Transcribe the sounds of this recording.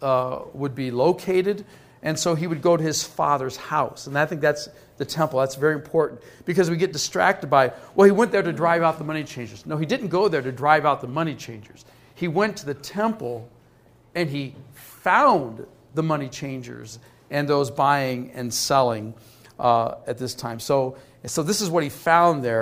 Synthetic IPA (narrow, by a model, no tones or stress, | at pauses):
wəd̚biloʊkʰeɪɾɨɾ | ʔɨ̃nsoʊiwɨd̚ɡoʊɾɨɨz̥fɑ̰ðə˞z̥haʊsə̃naɪθɪ̃ŋk̚ðæts | ðɨtʰɛ̃mpl̩ˠðætsvɛɹiɨ̃mpʰɔɹʔn̩ | b̥ɨkʌzwiɡɛt̚d̥ɨstɹ̥æ̰k̚tɨd̚baɪwɛlˠiwɛ̃nðə˞ɾɨdɹaɪvaʊt̪̚ðəmʌnit͡ʃʰẽɪ̃nd͡ʒə˞znoʊidɪdⁿn̩ɡ̥oʊðə˞ɾɨdɹaɪvaʊt̪̚ðəmʌñit͡ʃʰẽɪ̃nd͡ʒə̰˞z̥ | iwɛ̃ntʰɨðɨtʰɛ̃mpl̩ˠ | ɨ̃nifãʊ̃n | ðəmʌñit͡ʃʰẽɪ̃nd͡ʒə̰˞z | ʔɨ̃nðoʊzbaɪɪ̃ŋɨ̰̃nsɛlˠɪ̃ŋ | ɨt̪̚ðɪstʰãɪ̃msoʊ | soʊðɪsɨzwʌt̚hifãʊ̃nðə˞